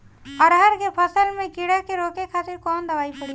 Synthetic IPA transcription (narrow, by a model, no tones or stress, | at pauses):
əɾɦəɾkepʰəsəlmẽkiɽakeɾoːkekʰaːt̪iɾkɔːnd̪əʋaːipəɽi